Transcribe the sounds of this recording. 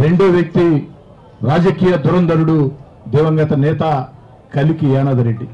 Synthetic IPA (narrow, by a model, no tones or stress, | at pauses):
ɾe̞ɳɖoːʋjɐk̚t̪i | ɾaːd͡ʒɐkiːjɐd̪uɾɐnd̪ɐɾuɽu | d̪iʋɐŋɡɐt̪ɐnɛːt̪ɐ | kɐlikijaːnɐːd̪ɐɾeɖːi